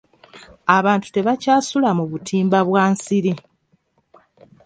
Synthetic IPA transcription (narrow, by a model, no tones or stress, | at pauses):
aβaːntu̥te̞βacaːsulamuβutʰiːmbaβwaːnsiɾi